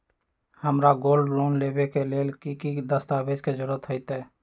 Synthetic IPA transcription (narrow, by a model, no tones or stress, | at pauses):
həmɾaɡoːlɖloːnlebekeleːlkikid̪əst̪abed͡ʒked͡ʒʊɾət̪ɦoɪt̪ɛː